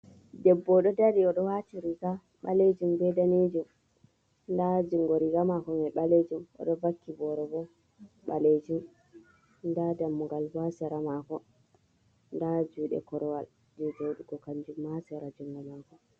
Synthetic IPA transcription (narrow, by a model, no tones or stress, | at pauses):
dɛbːɔɗɔdaɾiɔɗɔwatiɾiɡa | ɓaled͡ʒumbɛdanid͡ʒum | ndad͡ʒuŋɡɔɾiɡamakɔmɛɓaled͡ʒumɔ̰ɗɔvakːibɔɾɔbɔ | ɓaled͡ʒum | ndadamːuɡalbasɛɾamakɔ | ndad͡ʒuːɗɛ̰kɔɾɔwal | d͡ʒɛd͡ʒowɗuɡɔkaɲd͡ʒumːasɛɾad͡ʒuŋɡɔlmakɔ